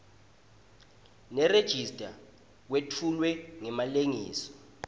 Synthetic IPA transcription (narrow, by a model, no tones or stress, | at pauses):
nɛred̥ʒ̥ʱistʼa | k̬wetʰulwɛŋɛmaleŋiːsɔ̥